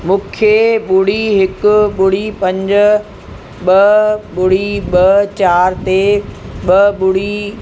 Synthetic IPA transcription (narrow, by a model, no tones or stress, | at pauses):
mũːkʰjeɓʊɽ̤iɦɪkʊɓʊɽ̤ipɐ̃ɲd͡ʑʊ̆ | ɓɐɓʊɽ̤iɓɐt͡ɕaːɾt̪eɓɐɓʊɽ̤i